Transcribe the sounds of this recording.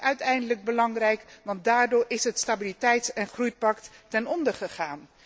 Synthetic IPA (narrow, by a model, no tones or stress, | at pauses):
œɥtɛjndələɡ̚bəlɑŋrɛjkʋɑnt̚daːɹdʊːɹʔɪsɦətstabilitɛjtɛnχrujpɑktːɛnɔndəɹχəχaːn